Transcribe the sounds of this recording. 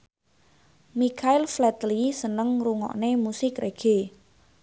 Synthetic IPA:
mikʰaɪlflɛt̪lisənəŋruŋɔ̰ʔnemusɪkrʔeɡ̥e

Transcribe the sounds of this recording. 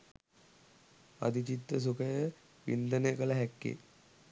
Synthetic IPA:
ɐ̰d̪it͡ʃit̪ːəs̬ukɐjə | ʋḭnd̪ənejkəlɐɦɛkːḛ

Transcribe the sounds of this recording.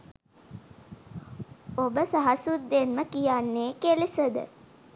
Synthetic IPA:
obəsaɦasut̪ːenməkijanːeːkelisəd̪ə̰

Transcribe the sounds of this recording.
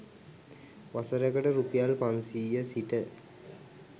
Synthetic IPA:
ʋasəɾəɡəʈəɾupijalpaŋsiːjəsiʈə

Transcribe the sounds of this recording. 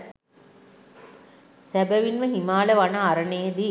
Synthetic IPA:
sæbəʋinʋəɦimaːləʋanaːɾənejed̪i

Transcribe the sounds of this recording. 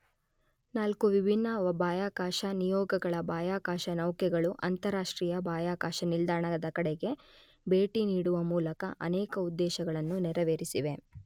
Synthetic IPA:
naːlkuʋibʱinːɐɐbaːjaːkaːʃɐnijɔːɡɐɡɐɭɐbaːjaːkaːʃɐnɐwkɛɡɐɭuʔɐnt̪ɐɾaːʂʈɾiːjɐbaːjaːkaːʃɐnild̪aːɳɐɐd̪ɐkɐɽeɡe̞ | be̞ːʈiniːɽuʋɐmuːlɐkɐʔɐ̰nɛːkɐud̪ːɛːʃɐɡɐɭɐnːunɛɾɐʋeːɾisiʋe̞

